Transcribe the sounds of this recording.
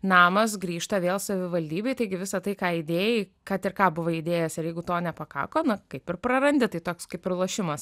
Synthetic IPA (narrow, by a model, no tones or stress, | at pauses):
nɑːmɐs̬ɡɾʲiːʃt̪ɐʋʲeːlˠsɐʋʲɪʋɐlʲd̪ʲiːbʲɛɪt̪ɐɪɡʲɪʋʲɪsɐt̪ɐɪkɑːɪd̪ʲeːjɛɪkɐt̪ɪrkɑːbʊʋoːɪd̪ʲeːjɛsɪɾjɛɪɡʊt̪oːnʲɛpɐkɑ̰ːkoːnɐkɐɪpɪrpɾɐɾɐnʲd̪ʲɪt̪ɐɪt̪oːkskɐɪpɪrlˠoːʃʲɪmɐs